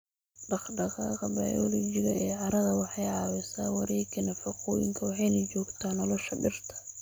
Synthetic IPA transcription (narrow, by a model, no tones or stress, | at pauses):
ɖɑχɖɐɣaːkʰɐbɐ̰jɔlɔt͡ʃɪɣɐɛːʕɑɾɐðɐwɑħɑjʕɑːwɪsa̰ːwɑɾɛːkʰɪnɐfɐqɔːjɪ̰ŋkʰɐwɑħɑjnɐt͡ʃɔːɡt̪ʰaːnːɔlɔʃɐbɪrt̪ʰɐ̥